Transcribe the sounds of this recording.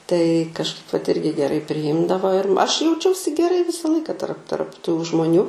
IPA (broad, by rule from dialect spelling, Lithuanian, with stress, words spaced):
tɐɪ kɐʃˈkɐɪp ʋɐt ˈɪrʲɡʲɪ ɡʲɛˈrɐɪ pʲrʲɪˈjɪmdɐʋoː ɪr ɐʃ jɛʊˈt͡ʃʲɛʊsʲɪ ɡʲɛˈrɐɪ ˈʋʲɪsɐ ˈlˠɐɪkɐ tɐrp tɐrp tuː ʒmoːˈnʲuː